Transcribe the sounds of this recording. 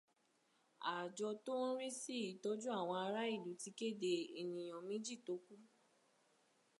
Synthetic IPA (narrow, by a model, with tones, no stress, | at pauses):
a˨d͡ʒɔ˧to˦n̩˦ɾi˦si˦i˨tɔ˦d͡ʒu˦a˦˨w̃ɔ̃˧a˧ɾa˦i˦˨du˨ti˧ke˦˨de˨i˨nĩ˨j̃ɔ̃˨mĩ˦d͡ʒi˦˨to˨˦ku˦